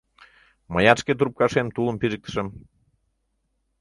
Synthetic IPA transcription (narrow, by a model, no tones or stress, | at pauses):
mɑjɑʃket̪uɾp̚kɑʃemt̪ulə̆mpiʒək̚t̪ə̥̆ʃə̆m